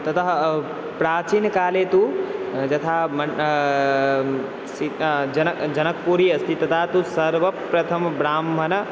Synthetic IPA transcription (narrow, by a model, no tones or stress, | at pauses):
t̪ɐt̪ɐɦ | pɾaːt͡ʃiːnkaːlet̪ud͡ʒɐt̪ʰaːmn | sid͡ʒɐnd͡ʒɐnɐk̚puɾiɐst̪ʰit̪ɐt̪ʰaːt̪usɐɾʋɐpɾɐt̪ʰɐmbɾaːmbʱɐn